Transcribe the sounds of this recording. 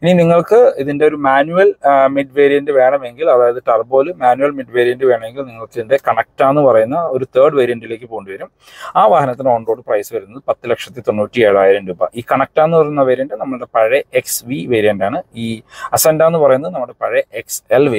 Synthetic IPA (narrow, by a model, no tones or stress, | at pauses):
ininiŋːɐɭkɨiðinde̞o̞ɾumaːnuɐlmiɖʋeːɾijɐnɖɨʋe̞ːɳɐme̞ŋɡilɐðaːjɐðitːɐrbo̞ːlumaːnuʋɐlmiɖʋeːɾijɐndɨʋe̞ːɳɐme̞ŋɡilniŋːɐɭkːiðinde̞kɐɳɐk̚taːnːɨpɐrɐjunːɐo̞ɾut̪ʰeːɖʋɐɾijɐndile̞ːk̬ːɨpoːɳɖuʋɐɾum | aːʋaːhɐnɐt̪ːino̞ːɳɖo̞ːɖɨprɐjsɨʋɐɾunːɐðɨpɐt̪ːɨlekʂɐt̪ːit̪o̞nːuːtːieɻaːjiɾɐmduːbɐ̰ʔiːkɐɳɐk̚taːnːɨpɐrɐjunːɐʋeːɾiɐndɨnɐmːɐɭuɽe̞pɐɻeeksʋiʋeːɾijɐndaːɳɨiːɐsendaːnːɨpɐrɐjunːɐðɨnɐmːuɽe̞pɐɻeekselʋe